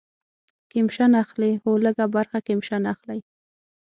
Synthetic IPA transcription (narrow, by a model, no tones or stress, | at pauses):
kemʃanaxlexoləɡabaɾxakɪmʃanaxlaj